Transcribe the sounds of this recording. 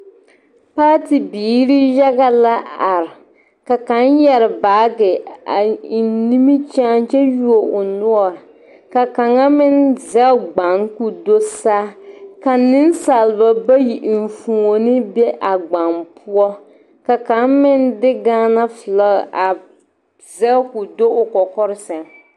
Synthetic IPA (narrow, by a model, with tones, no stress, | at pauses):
paː˦ti˨biː˨˦ɾi˦ja˦ɡa˨la˦a˨ɾɪ˨ | ka˨ka˨˦njɛ˨ɾɪ˨baː˨˦ɡɪ˨a˨ni˦mi˦t͡ʃaː˦nt͡ʃɛ˦ju˦o˨ʊ˨nʊ˦ɔ˨ | ka˨ka˨ŋa˦mɪ˦nza˦ɡ͡ba˨ŋku˦do˦saː˦ka˨nɪ˦n˦sa˨lɪ˨ba˨ba˦ji˨ʔn̩˨fu˨ŋo˨nɪ˦bɛ˦ʔa˨ɡ͡ba˨npʰʊ˦ɔ˦ | ka˨ka˨˦nmɪ˦ndɪ˦ɡaː˦na˦fla˦ɣ̰ʔa˨ | zɛ˦ku˨do˦ʊ˨kɔ˨kɔ˦ɾɪ˦sɛ˨ŋ